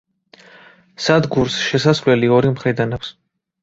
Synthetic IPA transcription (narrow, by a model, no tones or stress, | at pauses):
sad̪ɡuɾsʃɛsasvlɛliɔɾimχɾid̪anaps